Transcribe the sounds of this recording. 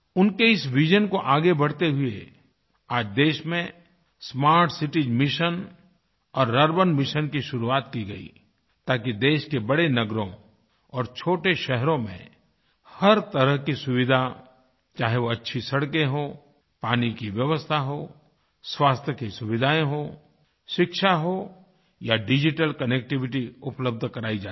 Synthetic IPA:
ʊnkeɪsʋɪd͡ʒənkoʔaːɡebɐɽ̤t̪eɦʊe | aːd͡ʒd̪eːʃmẽ | smaːɾʈsɪʈid͡ʒmɪʃən | ɔːɾːɐɾbənmɪʃənkiʃʊɾuaːt̪kiɡɐḭ | t̪aːkid̪eːʃkebɐɽenɐɡɾõ̰ | ɔːɾt͡ʃʰoːʈeʃɛɦɾõmḛ̃ | hɐɾt̪ɐɾəɦkisʊʋɪd̪ʱa | t͡ʃaːɦeʋoɐtːʃʰisɐɽkẽɦo | paːnikiʋjəʋəst̪ʰaɦo | swaːst̪ʰjəkisʊʋɪd̪ʱaːẽɦo | ʃɪkʃaɦo | jaɖɪd͡ʒɪʈəlkɐnek̚ʈɪʋɪʈ̬iʊpləb̚d̪ʱkɐɾaːid͡ʒaː

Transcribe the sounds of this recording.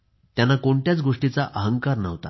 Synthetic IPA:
t̪janːakoɳʈjat͡sɡoʂʈit͡saʔəɦəŋkaɾnə̰ʋt̪a̰

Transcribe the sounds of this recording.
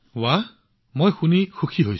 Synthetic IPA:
wa | mojxunixukʰiɦojs

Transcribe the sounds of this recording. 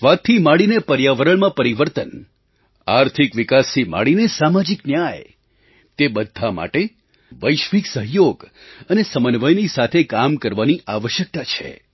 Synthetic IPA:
ʋat̪ʰːimaɽinepəɾjaʋəɾəɭmãpəɾiʋəɾt̪ən | aɾt̪ʰikʋikast̪ʰima̰ɽinesamad͡ʒiknjaj | t̪ebəd̪ʱːama̰ʈe | ʋəjʃʋiksəɦjoɡənesəmənʋəjnisat̪ʰekamkəɾʋaniʔaʋəʃjək̚t̪at͡ʃʰḛ

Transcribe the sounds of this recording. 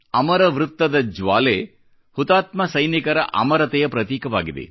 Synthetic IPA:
ɐmɐɾɐʋɾut̪ːɐd̪ɐd͡ʒʋaːleː | hut̪aːt̪mɐsɐjnikɐɾɐ̰ʔɐ̰mɐɾɐt̪ɛjɐpɾɐt̪iːkɐʋaːɡid̪ḛ

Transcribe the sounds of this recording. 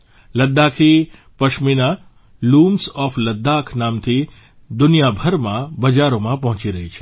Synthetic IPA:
ləd̪ːakʰi | pəʃmina | lumsɔfləd̪ːakʰnaːmt̪ʰi | d̪ʊnijabʱəɾmãbɐd͡ʒaɾomãpɐɦʊ̃t͡ʃiɾɐɦit͡ʃʰe̥

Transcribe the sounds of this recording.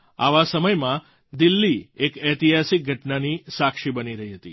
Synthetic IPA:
a̰ʋasəməjmã | d̪ɪlːiekɛt̪iɦasik̚ɡʱəʈnanisakʃibəniɾəɦiɦət̪ḭ

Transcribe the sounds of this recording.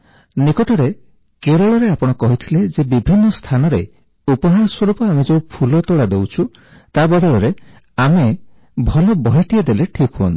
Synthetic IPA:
nikɔʈɔɾe | keɾɔɭɔɾeapɔɽ̃ɔkɔɦit̪ʰiled͡ʒebibʱinːɔst̪ʰanɔɾe | upɔɦaɾɔswɔɾupɔamed͡ʒeupʰulɔt̪oɽad̪ewt͡ʃʰu | t̪abɔd̪ɔɭɔɾe | ame | bʱɔlɔbɔɦeʈied̪eleʈʰikɦuɔnt̪i̥

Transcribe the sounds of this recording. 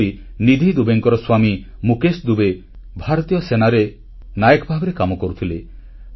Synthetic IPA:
ɾinid̪ʱid̪ubeŋkɔɾɔswami | mukesd̪ube | bʱaɾɔt̪ijɔsenaɾe | najekbʱabeɾekamɔkoɾut̪ʰile

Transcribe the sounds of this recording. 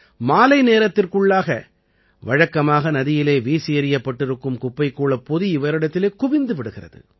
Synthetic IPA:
maːlɐɪneːɾɐt̪ːɪrkɯɭːaːɣɐ̰ | ʋɐɻɐkːɐmaːɣɐnɐðɪjɪleːʋiːsɪjɐɾɪjɐpːɐʈːɪɾɯkːɯmkʊpːɐɪkːuːɭɐpɔðɯɪʋɐɾɪɽɐt̪ːɪleːkʊʋɪnd̪ɯʋɪɽɯɣɪrɐ̰ðɯ̰

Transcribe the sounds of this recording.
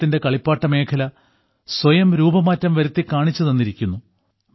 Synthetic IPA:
t̪ːinde̞kɐɭipːaːʈːɐme̞ːkʰɐlɐ | swɐjɐmɾuːbɐmaːtːɐmʋɐɾut̪ːikaːɳit͡ɕːɐðenːiɾikʲːunːu

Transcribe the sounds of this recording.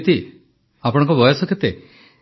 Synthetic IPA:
t̪i | apɔɽ̃ɔŋkɔbɔjɔsɔkʰet̪e

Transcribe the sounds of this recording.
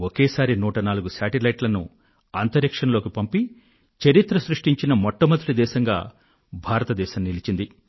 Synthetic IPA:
okeːsaːɾinuːʈɐnaːluɡusaːʈilɐjʈlɐnṵ | ɐnt̪ɐɾikʂɐnɐlo̞ːkipɐmpi | t͡ʃɐɾit̪ɾɐsɾuʂʈiɲt͡ʃinɐmɔʈːɐmɐt̪uʈid̪ɛːʃɐŋɡa̰ː | bʱaːɾɐt̪ɐd̪ɛːʃɐmnilit͡ʃind̪i

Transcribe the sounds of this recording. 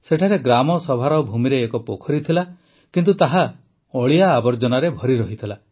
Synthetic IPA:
seʈʰaɾeɡɾamɔsɔbʱaɾɔbʱumiɾeːkɔpokʰɔɾit̪ʰila | kint̪̬ut̪aɦa | ɔɭijaːbɔɾd͡ʒɔnaɾebʱɔɾiɾɔɦit̪ʰila

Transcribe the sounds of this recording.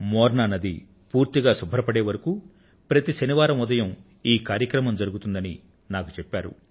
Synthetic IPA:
mɔːɾɳaːnɐd̪i | puːɾt̪iɡaːsubʱɐɾɐpɐɽeːʋɐɾɐku | pɾɐt̪iʃɐniʋaːɾɐmud̪ɐjɐm | iːkaːɾjɐkɾɐmɐmd͡ʒɐɾuɡut̪und̪ɐni | naːku̥t͡ʃɛpːaːɾṵ

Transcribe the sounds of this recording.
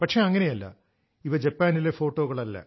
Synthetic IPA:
pɐʈʂe̞ɐŋːɐne̞jɐlːɐ̰ | iʋɐd͡ʑɐpːaːnilefo̞ːʈːo̞ːɣɐɭɐlːɐ̰

